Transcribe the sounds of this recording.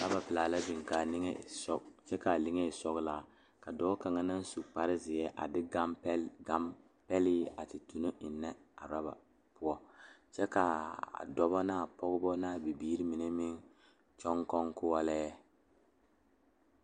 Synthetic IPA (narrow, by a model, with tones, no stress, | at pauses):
ɾa˦ba˨pɪ˨laː˨la˦bɪ˨ŋ˨ka˨nɪ˦ŋe˦˨sɔ˦t͡ʃɛ˦ka˨li˦ŋe˦˨sɔ˦ɡla˨ | ka˨dɔː˦ka˨ŋa˦na˦n˦su˨k͡pa˦ɾɪ˦zɪ˨jɛ˦ʔa̰˨dɪ˦ɡa˦m˦ɡa˦m | pɛ˦lɪ˦a˨tɪ˨tu˨no˦ʔɪ˨nːɛ˦a̰˨ɾa˦ba̰˨ | pʊ˦ɔ˦t͡ʃɛ˦ka̰˨dɔ˦bɔ˦naː˦˨pɔ˦ɡʊ˦bɔ˦naː˦˨bi˨biː˦ɾi˦mi˨ne˦mɪ˦ŋ | t͡ʃɔ˦ŋkɔ˦ŋkʊ˦wɔ˦lɛ˦ɛ˦